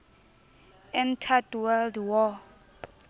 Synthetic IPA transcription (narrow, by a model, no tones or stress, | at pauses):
ɛntʰaduwaldwɔ